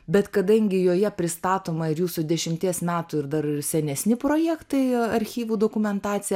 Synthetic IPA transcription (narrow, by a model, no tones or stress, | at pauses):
bʲɛt̪kɐd̪ɐŋʲɡʲɪjoːjɛpʲɾʲɪst̪ɑːt̪oːmɐɪɾjuːsud̪ʲɛʃʲɪmʲt̪ʲiɛsmʲæːt̪uːɪɾd̪ɐɾɪsʲɛnʲɛsʲnʲɪpɾoːjɛːkt̪ɐɪɐɾʲxʲiːʋuːd̪oːkʊmʲɛnt̪ɑːt̪sʲɪjɛ